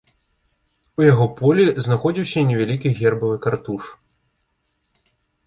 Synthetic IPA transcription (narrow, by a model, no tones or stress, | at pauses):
ujaɣɔpɔlʲiznaxɔd͡zʲiwsʲɐnʲɛvʲalʲikʲiɣʲɛrbɐvɨkart̪uʂ